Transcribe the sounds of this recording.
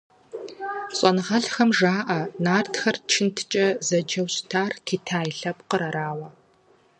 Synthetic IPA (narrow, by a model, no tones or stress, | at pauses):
ɕʼɐnɨʁɐɬxɐmʒaːʔɐnaːrtʰxɐrt͡ʃʰɪntʰɨ̥t͡ʃʼɐzɐd͡ʒɐwɕtʰaːrkʰiːtʰaːjɬɐpqəɾɐɾaːwɐ